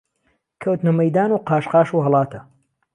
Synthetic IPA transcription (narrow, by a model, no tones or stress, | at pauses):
kʰɐwt̪nɐmɐjd̪aːnuːqaːʃqɑːʃuːɦɐlˠɑːt̪ʰɐ